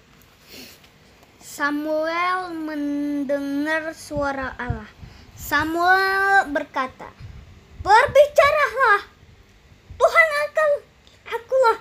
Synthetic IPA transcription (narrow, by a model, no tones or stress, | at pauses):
samuɛlməndəŋarsuaɾaʔalahsamuɛlbərkat̪a̰ | bərbit͡ʃaɾalah | puɦanakəl | akulah